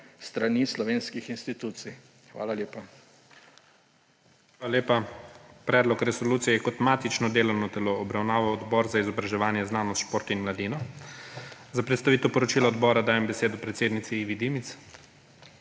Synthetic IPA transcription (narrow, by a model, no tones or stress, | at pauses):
st̪ɾanislɔʋeːnskixinst̪it̪uːt̪sij | xʋa̰ːlaljeːpa | xxʋaːlaleːpapɾɛːd̪lɔkɾɛsɔluːt̪sijɛɛkɔt̪maːt̪it͡ʃnɔd̪eːlawnɔt̪ɛloːbɾawnaːʋawɔd̪bɔːɾzaizɔbɾaʒɛʋaːnjɛznaːnɔst̪ʃpoːɾt̪inmlad̪inɔ | zapɾɛt̪st̪aʋiːt̪ɛwpɔɾɔt͡ʃiːlaɔd̪bɔːɾad̪aːjɛmbɛseːd̪ɔpɾɛt̪seːd̪nit̪siiːʋid̪imit̪s